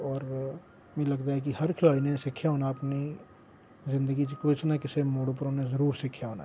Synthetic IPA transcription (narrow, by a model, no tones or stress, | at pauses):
ɔːɾ | mɛ̃lɐɡt̪aɦɛk̬ihɐɾkʰɪlaːlinẽsɪkʰːjaɦoːnaɐpni | zɪ̃nd̪əɡit͡ʃikoɪsnakɪsemoːɽõpəɾonezəɾuːɾsɪkʰːjaɦoːna̰